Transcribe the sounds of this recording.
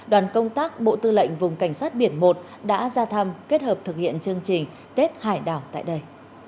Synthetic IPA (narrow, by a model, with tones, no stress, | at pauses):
ɗwaː˨˩nkə˧wŋ͡mt̪aː˦˥k̚ɓo̰˧˨t̪ɨ˧lə̰˧˨jŋ̟vʊ˨˩ŋ͡mka˧˩jŋ̟saː˦˥t̚ɓi˧˩ənmo˨˩t̚ | ɗa̰ː˧˥zaː˧t̪ʰə˧mke˦˥t̚həː˨˩p̚t̪ʰɨ˨˩k̚hḭ˧˨ənt͡ɕɨ˧əŋt͡ɕï˨˩ŋ̟ | t̪e˦˥t̚haː˧˩jɗa̰ː˨˩wt̪a̰ː˧˨jɗə˧j